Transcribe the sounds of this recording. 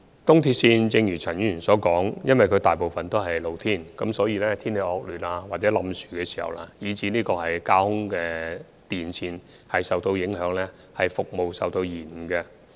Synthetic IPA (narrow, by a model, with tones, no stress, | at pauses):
t̪ʊ˥ŋt̪ʰiː˧t̚siː˧nt͡sɪ˧ŋjyː˨˩t͡sʰɐ˨˩njyː˥˩˨nsɔː˨˥kɔː˨˥ŋjɐ˥nwɐ˨jkʰɵ˧t̪aː˨jpo˨wfɐ˨nt̪o˥wɦɐ˨jlo˨˧wt̪ʰiː˥˩nkɐ˨˥msɔː˨˥jiː˧lɛː˥t̪ʰiː˥nle˨˧jɔː˧k̚lyː˨˩naː˧waː˨t̚t͡sɛː˨˥lɐ˨˧msyː˨˩kɛː˧si˨˩hɐ̰˨wlaː˧jiː˨˧t͡siː˨˥niː˥kɔː˧hɐ˨jkaː˥hʊ˥ŋkɛː˧ | t̪iː˨nt͡sʰiː˧n | hɐ˨jsɐ˨wt̪o˧wjɪ˨˥ŋɦœː˨˥ŋlɛː˥ | hɐ˨jfʊ˨k̚mo˨wsɐ˨wt̪o˧wjiː˨˩n˨kɛ˧